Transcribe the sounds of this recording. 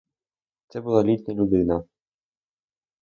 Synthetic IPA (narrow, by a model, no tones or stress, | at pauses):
t̪sɛbulˠalʲit̪ʲnʲɐlʲud̪ɪnɐ